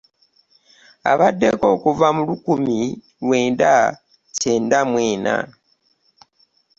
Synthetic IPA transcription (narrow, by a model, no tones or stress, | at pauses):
a̰βadːeko̞ːkuvamulukumi | lwe̞ːnda | ce̞ːndamweːna̰